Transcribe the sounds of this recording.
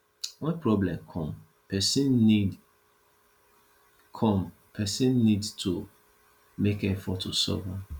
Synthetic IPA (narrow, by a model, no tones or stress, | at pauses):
wɛ̃npɹɔblɛ̃mkʰɔ̃m | pɛsin | kʰɔ̃m | pʰɛsĩnːidstʰu | mekefɔtʰusɔ̰va